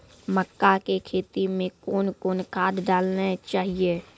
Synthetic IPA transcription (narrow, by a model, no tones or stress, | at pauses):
məkːakekʰeːt̪imẽkoːnkoːnkʰaːd̪ɖaːlnet͡ʃaːɦieː